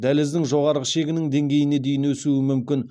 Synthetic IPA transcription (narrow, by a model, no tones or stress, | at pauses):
d̪ælɪzd̪ɪŋʒo̞ʁɑɾʁəʃe̞ɡʲɪnɪŋd̪e̞ŋɡʲe̞jɪne̞d̪e̞jɪnwɵsuɪmʏmkʲɪn